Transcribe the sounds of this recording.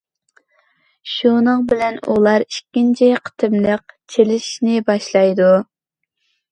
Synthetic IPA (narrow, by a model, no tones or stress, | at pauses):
ʃunəŋbɪlɛnṵlˠɑɾi̥kʲːint͡ʃʰɪqʰə̥t̪ʰɨmləq̚t͡ʃʰelɪʃi̥ʃnɪbɑʃlˠɑjd̪u